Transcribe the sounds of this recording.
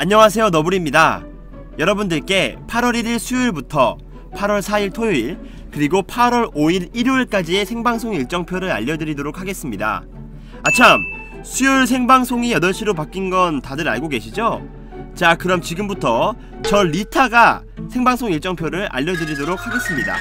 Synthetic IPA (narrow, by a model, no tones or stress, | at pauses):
aɲːʌŋas̬ʰe̞jonʌbuɾimɲida̰ | jʌɾʌbundɯɭk͈e̞pʰaɾwʌɾiɾiɭsʰujiɭbutʰʌ | pʰaɾwʌɭsʰaiɭtʰoiɭ | kɯɾiɡopʰaɾwʌɾoiɾiɾɭk͈ad͡ʑie̞sʰeŋbaŋsʰoŋiɭt͡ɕ͈ʌŋpʰjoɾɯɾa̰ʎːʌdɯɾidoɾok̚ʰaɡe̞s͈ɯmɲida̰ | at͡ɕʰam | sʰujuɭs̬ʰe̞ŋbaŋsʰoŋijʌdʌɭɕʰiɾop̬ak͈inɡʌntadɯɾa̰ɭɡoɡe̞ɕʰid͡ʑo | t͡ɕakɯɾʌmt͡ɕiɡɯmbutʰʌ | t͡ɕʌːitʰaɡa | sʰe̞ŋbaŋsʰoŋiɭt͡ɕ͈ʌŋpʰjoɾɯɾʔa̰ʎːʌdɯɾidoɾok̚ʰhaɡe̞s͈ɯmɲida̰